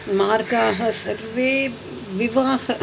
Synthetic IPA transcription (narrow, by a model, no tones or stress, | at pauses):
maːɾkaːɦɐsɐɾʋeː | ʋɪʋaːh